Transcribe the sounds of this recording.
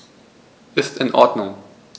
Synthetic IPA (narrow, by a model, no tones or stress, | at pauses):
ʔɪstɪ̃nʔɔ̰ɐdnʊŋ